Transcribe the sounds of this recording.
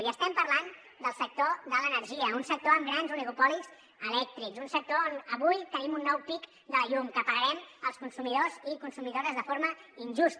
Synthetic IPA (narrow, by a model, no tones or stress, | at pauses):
iəst̪ɛmpəɾrlan | d̪əlˠsək̚t̪oðələnəɾʒiəunsək̚t̪oəmɡɾanzuneupɔliz̥ | əlɛk̚t̪ɾikzunsək̚t̪oonəβujt̪ənimunːɔwpik | d̪ələʎumkəpəɾəɾɛməlˠskunsumiðozikunsumiðoɾəzðəfoɾməinʲʒust̪